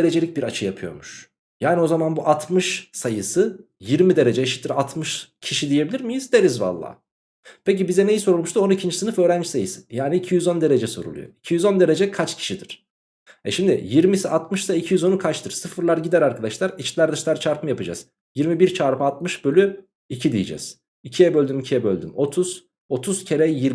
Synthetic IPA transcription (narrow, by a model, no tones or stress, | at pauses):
eɾe̞d͡ʒelʲic̚biɾat͡ʃʰɯjapʰɯjo̞ɾmuʃ | jaːnio̞zamanbuʔat̪ʰmɯʃsajɯsɯ | jiɾmid̪e̞ɾe̞d͡ʒɛjeʃi̥t̪ʰːiɾat̪ʰmɯʃcʰiʃid̪ije̞bilʲiɾmijizd̪e̞ɾizva̰lˠːa̰ː | pʰecibizɛne̞jiso̞ɾulˠmuʃt̪uo̞nuicʰind͡ʒisɯnɯfø̞ːɾænd͡ʒisajɯsɯ̥jaːniːcʰijyzo̞nd̪e̞ɾed͡ʒɛso̞ɾṵlˠṵjo̰i̥cʰijyzo̞nd̪e̞ɾe̞d͡ʒɛkʰat͡ʃcʰi̥ʃid̪iɾ̥ | ɛ̰ʃimd̪ḭjiɾmisiʔat̪mɯʃsaicʰijyzo̞nukʰat͡ʃt̪ʰɯɾ̥sɯfɯɾlˠaɾɟid̪æɾaɾkʰad̪aʃlˠaɾit͡ʃlʲæɾd̪ɯʃlˠaɾt͡ʃʰaɾpʰɯmɯjapɯd͡ʒa̰z̥ | jiɾmibiɾt͡ʃʰaːɾpʰɯat̪̚mɯʃbølʲy | icʰid̪ijid͡ʒɛ̰z̥ | icʰijɛbø̞lʲd̪ymicʰijɛbølʲd̪y̰mo̞t̪ʰuz̥ | o̞t̪ʰuz̥cʰe̞ɾɛjiɾ